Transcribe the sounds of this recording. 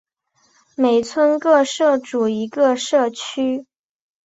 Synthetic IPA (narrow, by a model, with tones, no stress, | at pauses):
me˨˩ɪt͡sʰwə˥nkɤ˥˧ʂɤ˥˩ʈ͡ʂu˨˩i˧˥ɡə˧ʂɤ˥˩t͡ɕʰy˥